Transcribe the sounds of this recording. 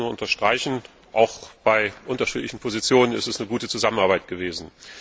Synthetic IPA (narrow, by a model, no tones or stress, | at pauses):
uːɐʔʊntɐʃtʁ̥aɪçn̩ | ʔaʊxb̥aɪʔʊntɐʃḭːtlɪçn̩pʰozit͡sjoːnənɪ̰stɛsnəɡuːtət͡suzamənaɐbaɪt̚ɡ̥əveːzn̩